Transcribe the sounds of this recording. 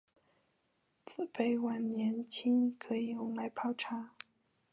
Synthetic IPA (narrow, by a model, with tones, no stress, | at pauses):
t͡sʰɹ̩˥˩pe˨˧˩ɪwa˨˩nnjɛ˧˥nt͡ɕʰi˥ŋkʰɤ˧˥i˨˩ʊ˧˥ŋla˧˥ɪpʰɑ˥˩ʊʈ͡ʂʰa˧˥